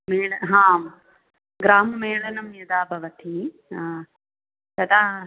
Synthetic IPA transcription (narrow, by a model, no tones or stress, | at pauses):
meːɭɐɦãː | ɡɾaːmɐmeːɭɐnɐmjɐd̪aːbʱɐʋɐt̪ʰi | a | t̪ɐd̪aː